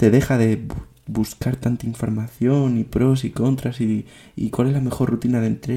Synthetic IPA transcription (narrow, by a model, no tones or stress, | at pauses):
e̞ðe̞xaðe̞ | buskaɾt̪ant̪aiɱfo̞ɾmaθjo̞nipɾo̞s̬iko̞nt̪ɾasi | ḭkwale̞zlame̞xo̞ɾrut̪inaðe̞nt̪ɾe